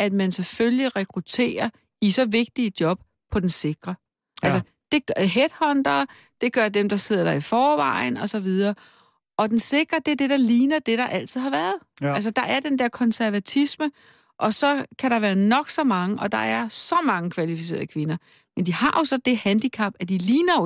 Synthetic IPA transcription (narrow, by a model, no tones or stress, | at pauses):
æd̥mænsefølliʁɛkʰʁut͡sʰe̝̰ːɐ | isɒ̽ʋe̝ɡ̥̚d̥iəd̥jɒ̽b̥̚ | pʰɒ̽d̥ense̝ɡ̥ʁɐ | ʔælsə | d̥e̝ɡ̥ɦed̥hɒ̽nd̥ɐ | d̥e̝ɡ̥ɶɐd̥emd̥ɑ̈se̝ð̞̰ˠɐd̥ɑ̈ifɒːʋɑ̈ɪ̰nɒ̽sɒ̽ʋið̞ˠɐː | ʔɒ̽d̥ense̝ɡ̥ʁɐd̥e̝æɐd̥e̝d̥ɾ̥ɑ̈liːnɐd̥e̝ɾ̥ɑ̈ʔæl̰t͡sʰið̩̰ˠhɑ̈ʋæɐð̞ˠæls̬əd̥ɑ̈ʔæɐd̥end̥eɐ̰kʰɒ̽nsæɐʋæt͡sʰismə | ʔɒ̽sɒ̽kʰæɾɑ̈ʋæːɐnɒ̽ɡ̥sɒ̽mɑ̈ŋəʔɒ̽d̥ɑ̈æɐsɒ̽mɑ̈ŋəkʰʋælifis̬e̝̰ːɐð̩ˠəkʰʋe̝nɐ | mend̥ihɑ̈jo̝sɒ̽d̥e̝hænd̥ikʰɑ̈b̥æd̥iliːnɐo